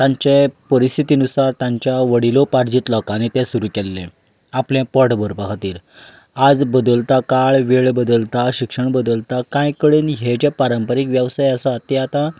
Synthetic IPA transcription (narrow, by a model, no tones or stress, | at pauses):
t̪ãɲt͡ɕepəɾist̪ʰit̪iːnusaɾt̪jãɲt͡ɕjaʋəɽilopaɾd͡ʑiːt̪lɔkañit̪ɛsuɾuːkɛlːḛ̃ | aplɛ̃pɔʈbəɾpəkʰat̪iːɾ | ad͡zbəd̪əlt̪akaɭʋeɭbəd̪əlt̪aɕikʂəɳbəd̪əlt̪akãjkəɽeːnɦed͡ʑẽpaɾəmpəɾikʋjəʋsajəsat̪ɛat̪a